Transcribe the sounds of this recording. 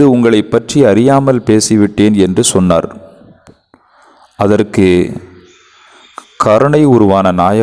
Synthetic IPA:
ðɯʊŋɡɐɭɐɪpːɐʈriɐɾɪjaːmɐlpeːsɪʋɪʈːeːnɛndrɯsɔnːa̰ːɾ | ɐðɐrkɯ | kʰɐɾɐɳɐɪʊɾʊʋaːnɐnaːjɐ

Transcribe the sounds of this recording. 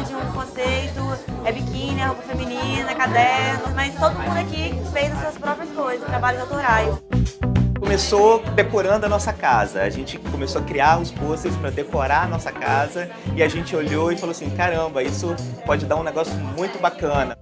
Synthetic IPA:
d͡ʒɪũkõsejt̪ʊɛbikĩnɛopɐfemĩnĩnɐɛkad̪ɛɾnɐmɐjst̪od̪ʊumũd̪ʊakifejzɐsuɐspɾɔpɾiɐskojzɐzʊt̪ɾabaʎʊzawt̪oɾajs | kõmesod̪ekoɾɐ̃nd̪ʊɐnɔsɐkazɐa̰ʒẽnt͡ʃɪkõmesoɐkɾiaɾʊsposespɾɐd̪ekoɾaɐnɔsɐkazɐ | ɪaʒẽt͡ʃɪoʎoɪfaloasĩkaɾɐ̃bɐisʊpɔd͡ʒɪd̪aɾũnɛɡɔsjʊmũj̃t̪ʊbakɐ̃nɐ

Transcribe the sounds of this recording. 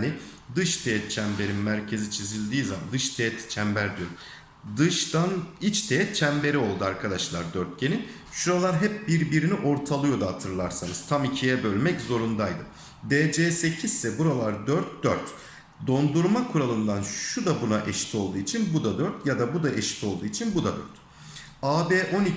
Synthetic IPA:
nid̪ɯʃt̪ʰeɛt̪̚t͡ʃʰæmbe̞ɾinmæɾcʰe̞zit͡ʃʰizilʲd̪iːzama̰nd̪ɯʃt̪ʰeːɛt̪t͡ʃʰæmbæɾd̪ijoɾum | d̪ɯʃd̪anit͡ʃt̪ʰejɛt̪̚t͡ʃʰæmbe̞ɾio̞lˠd̪uaɾkʰad̪aʃlˠaɾd̪øɾt̪̚ɟe̞ni | ʃuɾalˠaɾɦɛp̚biɾbiɾiniʔo̞ɾt̪ʰalˠɯjo̞d̪aɦat̪ʰɯɾlˠaɾsanɯz̥t̪ʰamicʰijɛbø̞lʲmɛczo̞ɾund̪ajd̪ɯ | d̪eːd͡ʒeːse̞cʰizsɛbuɾalˠaɾd̪øɾt̪d̪øɾt̪ | d̪o̞nd̪uɾmakʰuɾalˠɯnd̪anʃud̪abunaʔɛʃi̥t̪ʰo̞lˠd̪uːit͡ʃʰinbud̪ad̪øɾt̪ʰjad̪abud̪aʔeʃi̥t̪ʰo̞lˠd̪uːit͡ʃʰinbud̪ad̪ø̰ɾt̪ | aːbeːʔo̞ni

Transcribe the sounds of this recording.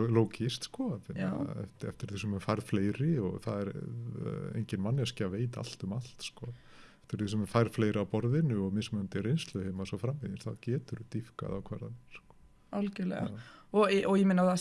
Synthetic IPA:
loːwcɪst̪skɔfɪnɛ̰ft̪ɛ̰ft̪ɪɾθisɛmɛɾfajɾð̥fleːjɾɪɔɣθa̰ðɛɾ̰ | ḛjɲcɪnmanːjɛscaveːjt̪a̰l̥t̪ʏmal̥t̪skɔ | ɛft̪ɪɾθisɛmɛɾfajɾfleːjɾɪawpɔɾðɪnʏɔɣmɪsmœnt̪ɪɾejnst̪lʏheːmasɔfɾamːeðɪnsθaðcɛːt̪ʏɾʏt̪ifka̰ðawkʰvɛɾða̰nskɔ̥ | alcɛlɛ̰ɣaɔʔɔɣjɛmɪːnaθa

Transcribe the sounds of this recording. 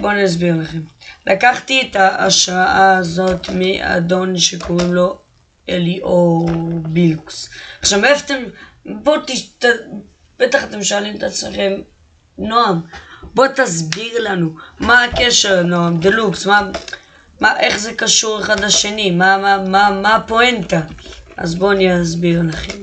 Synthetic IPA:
bo̞nazbiʁlaχe̞mlʔakaχt̪iet̪aaʃʁaʔaːzo̞t̪miʔa̰d̪o̞nʃekʰo̞ʁimlo̞ | eliʔobiluksaχʃavefat̪embot̪it̪a | b̥et̪aχat̪e̞mʃoalimet̪at͡smeχem | noambo̞t̪azbiʁlanumaːkeʃeʁnoamd̪eluksma | maʔe̞χze̞kaʃuʁeχad̪laʃe̞nimamamamapo̞ent̪aʔa̰zbo̞aniazbiʁlaχem

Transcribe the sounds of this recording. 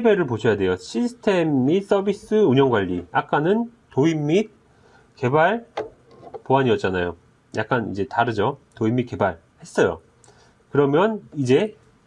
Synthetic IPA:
ebe̞ɾɯɭpoɕʰʌjade̞joɕʰisʰɯ̥tʰe̞mːis͈ʌbis͈ɯuɲʌŋɡwaʎːiak̚k͈anɯntoimːit̚ | ke̞baɭ | poɦaɲiʌt̚t͡ɕ͈anajo | jʔa̰k̚k͈anḭd͡ʑe̞taɾɯd͡ʑotoimːit̚ke̞baɭ | he̞s͈ʌjo̰ | kɯɾʌmjʌnid͡ʑe̞

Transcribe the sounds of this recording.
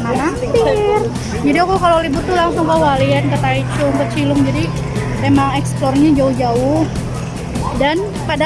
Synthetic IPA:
mama | r | d͡ʒadiakukalolibʊtt̪ːulaŋsʊŋkəwaliankət̪ait͡ʃʊŋkət͡ʃilʊŋd͡ʒadi | memaŋɛksplɔrɲad͡ʒaʊhd͡ʒaʊh | dan | pada

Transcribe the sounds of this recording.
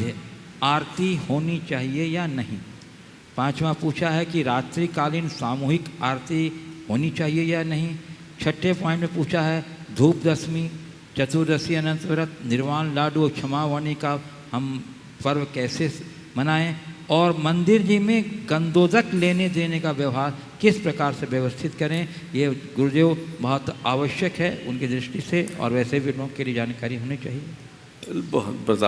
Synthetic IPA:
aːɾt̪ihoːnit͡ʃaːɦiejanɐɦḭ̃ː | pãːt͡ʃmapuːt͡ʃʰaɦɛkiɾaːt̪ɾiːkaːlɪnsaːmuːɦɪkaːɾt̪iɦoːnit͡ʃaːɦiejanɐɦĩ | t͡ʃʰɐʈʰːepɔ̃ːɪ̃ɳʈmẽpuːt͡ʃʰaɦɛd̪ʱuːpd̪ɐsmi | t͡ʃɐt̪uɾd̪ɐsiɐnə̃nt̪ʋɐɾət̪nɪɾmaːnlaːɖut͡ʃʰɐmaːʋəñika | ɦɐm | pɐɾʋkɛːse | mɐnaːẽɔːɾmɐ̃nd̪ɪɾd͡ʒimẽɡɐ̃nd̪oːzəkleːned̪eːnekaʋjɐʋɦaːɾ | kɪspɾɐkaːɾseʋjɐʋəst̪ʰɪt̪kɐɾẽ | jeɡʊɾd̪eːʋbɐɦɔt̪aːʋəʃjəkɦɛʊnkid̪ɾɪʃʈiseɔ̰ːɾʋɛːsebʱiloːkelied͡ʒaːnkaːɾiɦoːnit͡ʃaːɦie | bɔɦʊt̪bɾɐt̪a

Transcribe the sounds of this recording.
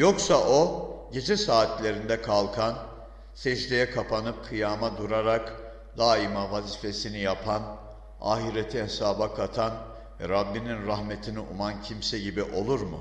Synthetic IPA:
joksaʔo̞ɟe̞d͡ʒɛsaːt̪lʲe̞ɾind̪ɛkʰalˠkʰan | sɛd͡ʒd̪ʲejɛkʰapʰanɯp̚kʰɯjaːmad̪uɾaɾak | d̪aːimavaziːfe̞sinijapʰan | a̰ːɦiɾet̪ʰihesaːbakʰat̪ʰan | vɛɾabːininɾaɦmet̪ʰiniʔumancʰimsɛɟibiʔo̞lˠuɾmṵ

